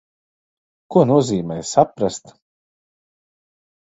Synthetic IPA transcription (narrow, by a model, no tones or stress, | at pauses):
kuɔnuɔziːmɛjsapɾast̪